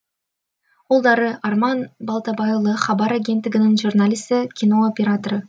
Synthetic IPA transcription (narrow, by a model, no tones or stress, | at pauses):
olˠd̪ɑɾəʔɑrmɑnbɑlˠt̪ɑbɑjlˠəχɑbɑɾaɡʲe̞nt̪lʲɪ̆ɡʲɪnɪŋʒurnalʲist̪əkʲʰino̞opʲeɾat̪oɾə